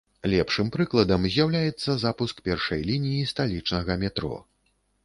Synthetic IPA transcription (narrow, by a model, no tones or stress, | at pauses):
lʲɛpʂɨmpɾɨklˠɐd̪ɐmzʲjawlʲajɛt̪sːɐzapuskpʲɛrʂɐjlʲinʲijist̪alʲit͡ʂnɐɣɐmʲɛt̪ɾɔ̰